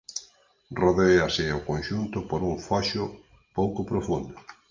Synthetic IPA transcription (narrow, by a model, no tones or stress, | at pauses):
roðeasɪokonʃunt̪ʊpoɾuŋfaʃʊ | powkopɾofund̪ʊ